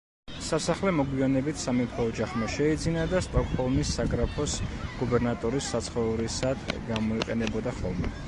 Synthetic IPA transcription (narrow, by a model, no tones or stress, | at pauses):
sasaχlɛmɔɡwijanɛbit̪ʰsamipʰɔːd͡ʒaχmaʃɛid̪zinad̪ast̪ʼɔkʼhɔlˠmisːaɡɾapʰɔsɡ̥ubɛɾnat̪ʼɔɾisːat̪sʰχɔɾisad̪̥ɡamɔiqʼɛnɛbɔd̪aχɔlˠmɛ